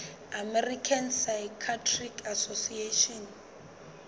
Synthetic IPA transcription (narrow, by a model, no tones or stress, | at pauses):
amɛrikʰansajkʰatʰrikʰasosieʃɔn